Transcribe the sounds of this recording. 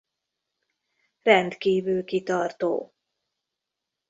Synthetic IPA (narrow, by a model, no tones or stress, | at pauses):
rɛnt̪kiːvylkit̪ɒrt̪o̰ː